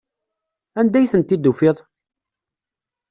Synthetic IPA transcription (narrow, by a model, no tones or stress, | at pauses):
ænd̪æjθənt̪ːid̪ufɪðˤ